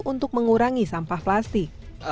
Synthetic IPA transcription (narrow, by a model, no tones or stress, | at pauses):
ʔunt̪ʊk̚məŋuɾaŋisampahplast̪ɪk̚